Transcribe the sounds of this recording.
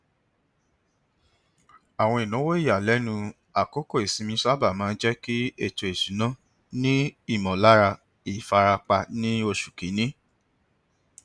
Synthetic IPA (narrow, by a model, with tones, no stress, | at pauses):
a˨w̃ɔ̃˧i˨nã˨˦wo˦i˦˨ja˨lɛ˨˦nũ˧ | a˨ko˨˦ko˦˨e˨sĩ˨˧mĩ˧˦sa˦ba˦˨mã˨˦n̩˦d͡ʒɛ˦ki˦e˦˨to˧˨e˨su˨˦nã˦ | nĩ˦i˦˨mɔ̃˨la˦ɾa˧ | i˨fa˧ɾa˧k͡pa˧nĩ˦o˧ʃu̥˨ki˨˦nĩ˦